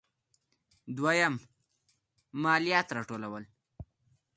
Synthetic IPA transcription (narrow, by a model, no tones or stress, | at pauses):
d̪wajam | ɑlijɑt̪ɾɑʈolawəl